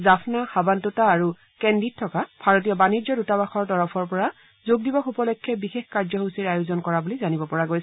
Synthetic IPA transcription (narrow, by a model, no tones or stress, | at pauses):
zapʰnaxabantutaːɹu | kɛnditʰːɔkabʱaɹotijɔbaniɹzɔdutabaxɔɹtɔɹɔpʰɔɹpɔɹa | zoɡ̚dibɔxupɔlɔkʰːɛbixexkaɹzɔɦusiɹajʊzɔnkɔɹabulizanibɔpɔɹaɡojs